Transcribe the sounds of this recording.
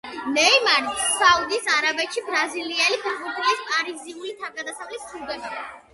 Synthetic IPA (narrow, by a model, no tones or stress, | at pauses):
nɛimaɾd̪saud̪isaɾabɛt̪ʃibɾaziliɛlipʰɛbɔpʰulispʼaɾiziuɾit̪ʰakʼad̪asavlisʰud̪ɛba